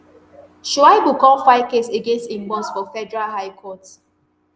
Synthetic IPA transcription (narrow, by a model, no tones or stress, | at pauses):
ʃwaɪbukɔ̃lfaɪkeseɡẽnstĩmbɔ̃nsfɔfɛdɛɹalɦaɪkʰɔt